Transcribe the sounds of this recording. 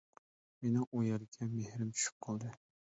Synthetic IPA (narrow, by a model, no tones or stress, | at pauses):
menɪŋʔojɑɾɪkʲʰɛmehɾɪmt͡ʃʰy̥ʃy̥p̚qʰɑlˠd̪ɨ